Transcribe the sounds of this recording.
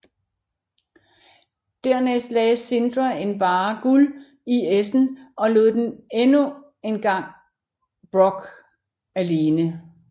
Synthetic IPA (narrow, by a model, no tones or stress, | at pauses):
d̥æɐ̰nesd̥lɛsːe̝nd̥ʁɐe̝nb̥ɑ̈ːɡ̥ul | iesn̩ɒ̽lo̝ːðˠd̥enenu | e̝nɡ̥ɑ̈ŋ̰ | b̥ʁɔ̽ɡ̥ | æle̝ːnə